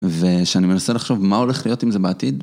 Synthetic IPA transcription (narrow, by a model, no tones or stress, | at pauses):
veʃeanime̞naselaχʃo̞vmao̞leχlijo̞timze̞beatid